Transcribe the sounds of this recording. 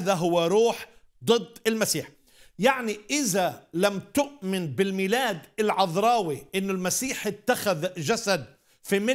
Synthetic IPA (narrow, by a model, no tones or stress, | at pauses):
ðaɦʊwːaɾuːħ | d̪ˤɨd̪ˤːɪlmasiːħ | jaʕniʔɪðalamt̪ʊʔmɪnbɪlmiːlaːd̪ɪlʕɑðɾˤɑːwiʔɪnːʊlmasiːħɪt̪ːaxaðʒasad̪̚ | fimɪ